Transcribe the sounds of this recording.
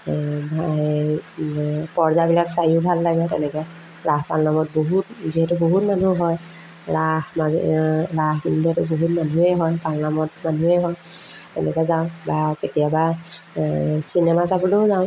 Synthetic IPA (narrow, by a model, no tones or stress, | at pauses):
ba | pɔɹzabilaksajubʱalːaɡɛtɛnɛkɛ | ɹaɦpalnamɔt̚boɦut̚ziɦɛtʊboɦutmanuɦɔj | ɹahmaɹaɦbindiɛtʊboɦutmanuɛɦɔjpalnamɔtmanuɛɦɔj | tɛnɛkɔzaʊ̃baketijaba | sinɛmasapʰuloʊzaʊ̃